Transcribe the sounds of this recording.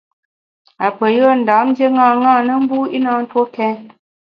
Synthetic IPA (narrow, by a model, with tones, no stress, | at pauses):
a˨pə˨jə˦˨n̩˨da˨˦mn̩˦dje˦ŋaː˦˨ŋãː˦˨nə˦m̩˦bu˦i˦na˦n̩˦two˦kɛ˦